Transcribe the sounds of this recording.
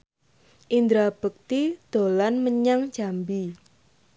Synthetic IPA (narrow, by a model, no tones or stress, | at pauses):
ʔind̪ɾab̥ək̚t̪id̪̥o̤lanməɲaŋd͡ʒ̥ambi